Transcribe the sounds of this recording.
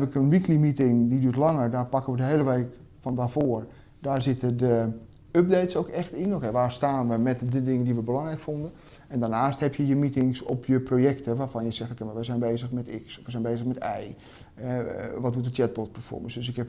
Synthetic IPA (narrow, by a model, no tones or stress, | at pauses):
pɪkənʋiklimitɪŋdidyːətlɑŋərdaːɹpɑkənʋədəɦeːləʋeːk | fɔndaːɹfoər | daːɹzɪtədə | øp̚deːtsowkɛxtɪnokɛʋaːrstaːnʋəmɛtdədɪŋəndiʋəbəlɑŋrɛjkfondən | ɛndaːɹnaːsthɛpjəjəmitɪŋsɔpʰjəprojɛktəʋaːfɑnjəsɛxtokenʋʋɛzɛjnbeːzəxmɛtɪksɔfʋəzɛjnbeːzəxmɛtɛj | ɛʋɔt̚dutdət͡ʃɛt̚bɔt̚pəfɔ̰rmə̰nsdøsɪkhɛp